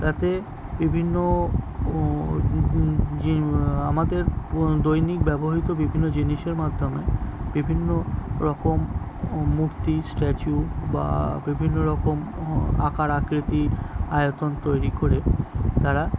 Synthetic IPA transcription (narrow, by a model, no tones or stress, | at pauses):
t̪at̪e | bibʱinːo | iamad̪eɾd̪ojnik̚bɛboɦit̪obibʱinːod͡ʑiniʃeɾmad̪ʱomebibʱinːoɾɔkomː | ukt̪isʈet͡ɕuba̰bibʱinːoɾɔkoma̰kaɾakɾit̪iajot̪ont̪ojɾikoɾet̪aɾa